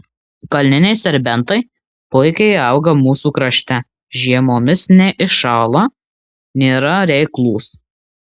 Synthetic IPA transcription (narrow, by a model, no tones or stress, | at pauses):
kɐlʲnʲɪnʲɛɪsʲɛɾʲbʲɛnˑt̪ɐɪ | pʊɪkʲɛɪɐˑʊɡɐmuːsuːkɾɐʃʲt̪ʲɛ | ʒʲiɛmoːmʲɪsnʲɛʔɪʃɑːlˠo | nʲiːɾɐɾʲɛɪklˠuːs